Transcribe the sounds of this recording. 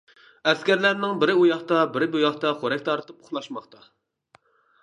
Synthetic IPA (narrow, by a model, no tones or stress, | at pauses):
ɛskʲæɾlæɾnɪŋbɪɾɪujɑχt̪ɑbɪɾɪbujɑχt̪ɑχoɾɛkʲt̪ʰɑɾt̪ɨp̚ʊχlˠɑʃmɑχt̪ʰɑ